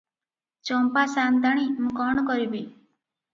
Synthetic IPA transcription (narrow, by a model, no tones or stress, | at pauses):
t͡ʃɔmpasand̪aɽ̃imũkɔɳ̃kɔɾibi